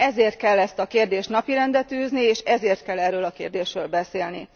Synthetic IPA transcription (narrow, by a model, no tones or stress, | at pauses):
ɛzeːrt̪̚kɛlːɛst̪ɒkeːrd̪eːʃt̪nɒpiɾɛnd̪ɛt̪øːznieːʃɛzeːrt̪̚kɛlːɛrːøːlɒkeːrd̪eːʃrøːlbɛseːlnḭ